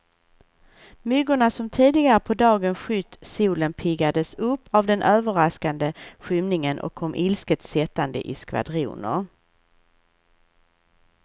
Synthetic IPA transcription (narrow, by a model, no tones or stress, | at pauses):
mʏɡʊɳasɔmt̪ʰiːd̪ɪɡaɾəpʰɔd̪ɑːɡənɧʏt̪ːsuːlənpʰɪɡad̪əsɵpːavd̪ɛnʔøːvəɾaskand̪əɧʏmnɪŋənʔɔ̰kʰːɔmːʔɪlskət̪sɛt̪ːand̪ə̰ʔɪ̰skva̰d̪ɾṵːnə̰ɾ